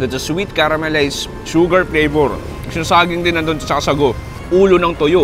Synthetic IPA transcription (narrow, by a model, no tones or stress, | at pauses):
d̪ɐt̪̚sɐswit̪̚kaɾɐmɛlajs | ʃuɡɐɹplejboɾ | ksɪnɐsaːɡɪŋd̪ɪnːɐnd̪onɐt͡ʃɐkasɐɡo | ʔuːlonɐŋt̪ojo